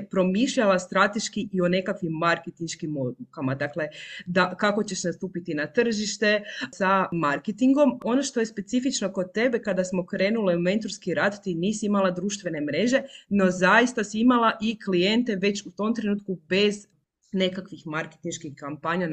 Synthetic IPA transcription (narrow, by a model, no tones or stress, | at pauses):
pɾo̞miʃʎalast̪ɾat̪e̞ʃkiʔio̞ne̞kakʋimːaɾket̪inʃkimod̪ukamad̪akle̞d̪akako̞t͡ɕe̞ʃnast̪uːpit̪inat̪r̩ʒiʃt̪e̞samaɾket̪iŋɡo̞mo̞no̞ʃt̪o̞jespe̞t̪sifit͡ʃno̞kod̪̚t̪e̞be̞kad̪asmo̞kɾe̞ːnuliume̞nt̪oɾskiɾad̪t̪iniːsiimalad̪ɾuːʃt̪ʋe̞ne̞mɾe̞ʒe̞no̞zajist̪asiimalˠaʔiklije̞nt̪e̞ʋe̞t͡ɕut̪o̞mt̪ɾe̞nuːt̪̚kube̞z | ne̞kakʋixmaɾket̪inʃkixkampaɲa